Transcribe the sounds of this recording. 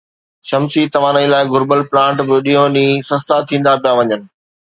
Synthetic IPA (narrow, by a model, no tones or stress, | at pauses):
ʃɐmsit̪ɐʋ̤ãːnəilaːɪɡʊɾbəlplãːɳʈbɪɗiːõnĩːsɐst̪at̪ʰĩːn̆d̪apʰijaʋɐɲənɪ̆